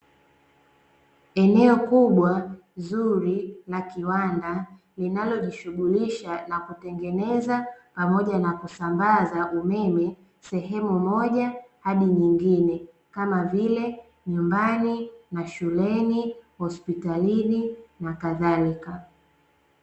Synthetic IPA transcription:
ɛnɛɔkuɓwa | zuɾilakiwanda | linalɔʄiʃuɠuliʃanakutɛŋɡɛnɛzapamɔʄanakusambazaʔumɛmɛ | sɛɦɛmumɔʄahaɗiɲiŋɡinɛ | kamavilɛ | ɲumbaninaʃulɛnihɔspitalininakaðalika

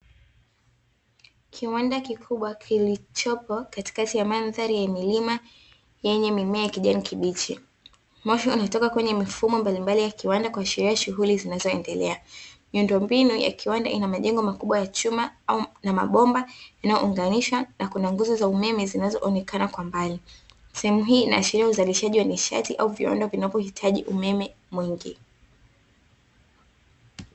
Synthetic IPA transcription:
kʰiwandakikʰuɓwakʰilit͡ʃɔpɔkati̥katijamanðaɾijamilima | jɛɲɛmimɛajakiʄanikʰiɓit͡ʃi | mɔʃɔunatɔkakwɛɲɛmifumɔmbalimbalijakiwandakwaːʃiɾiaʃuɦulizinazɔɛndɛlɛamiundɔmbinuja̰kʰiwanda̰ʔinamaʄɛŋɡɔmakuɓwajat͡ʃumaaunama̰ɓɔmbajanajɔ̰uŋɡaniʃwanakunaŋɡuzɔzaumɛmɛzinazɔ̰ʔɔnɛkanakwambali | sɛhɛmuɦiːna̰ːʃiɾiauzaliʃaʄiwaniʃa̰tiʔauvḭwa̰ndavinavɔhitʰaʄḭʔumɛmɛ | mwiŋɡḭ

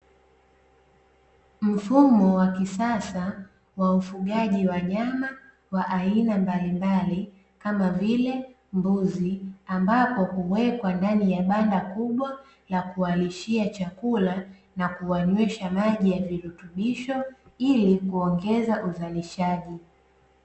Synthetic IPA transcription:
m̩fumɔwakisasa | waufuɠaʄiwaɲama | waʔainambalimbali | kamavilɛ | mbuziambapɔhuwɛkwandanijaɓandakuɓwa | lakualiʃiat͡ʃakula | nakuwaɲwɛʃamaʄijaviɾutuɓiʃɔilikuɔŋɡɛzaʔuzaliʃaʄi

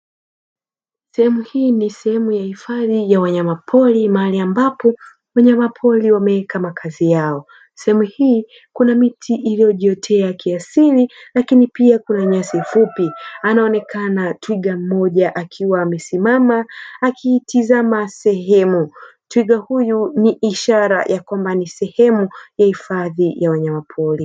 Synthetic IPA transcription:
sɛhɛmuhiːnisɛhɛmujahifaðijawaɲamapʰɔlimaaliambapɔ | waɲamapʰɔliwamɛɛkʰamakʰazijaɔ | sɛhɛmuhiː | kunamitʰiʔilijɔʄiɔtʰɛakiasililakinipiakunaɲasifupianaɔnɛkʰanatwiɡam̩ɔʄaʔakʰiwaːmɛsimamaːkʰitizamasɛɦɛmutwiɠahujuniʔiʃaɾa̰jʔakwambanisɛhɛmujahifaðijawaɲamapʰɔli

